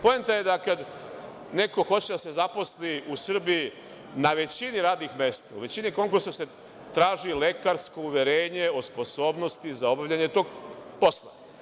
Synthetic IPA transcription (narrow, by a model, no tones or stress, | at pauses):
po̞jent̪aje̞d̪akad̪ | ne̞ko̞xo̞t͡ɕed̪ase̞zapo̞sliʔusr̩biji | naʋe̞t͡ɕiniɾaːd̪nixme̞st̪aṵʋe̞t͡ɕiniko̞ŋkuɾsase̞ | t̪ɾaːʒile̞kaɾsko̞uʋje̞ɾeːɲe̞o̞spo̞so̞ːbno̞st̪izao̞baʋʎaɲet̪o̞ːɡ̚po̞slˠa̰